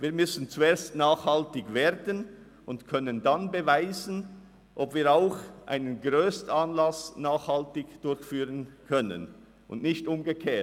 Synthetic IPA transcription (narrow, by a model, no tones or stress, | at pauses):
viːɐmʏsn̩t͡sueːɐstnaːχhaltɪɡveːdən | ʊntkʰœnəndanbəvaɪzən | ʔɔbv̥iːɐaʊxʔa̰ɪnənɡʁøːstən̩anlasnaːχhaltɪçd̥ʊɾçfyːʁənkʰœnə̰n | ʊ̰ndnɪçtʔʊmɡəkʰeː